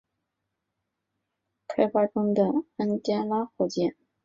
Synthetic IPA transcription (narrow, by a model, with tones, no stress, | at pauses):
kʰa˥ɪfa˥ʈ͡ʂʊ˥ŋd̪ə˨a˥nt̪jɛ˥nla˥xɔ˥˩t͡ɕjɛ˥˩n